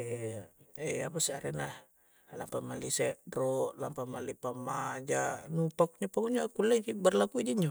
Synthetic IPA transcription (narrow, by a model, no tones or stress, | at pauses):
ɛapasiaɾɛnah | la̰mpamalisɛʔdrɔʔlampamalipamad͡ʒanupak̚ɲapaŋuɲakulːɛd͡ʒibərlakuid͡ʒiɲd͡ʒo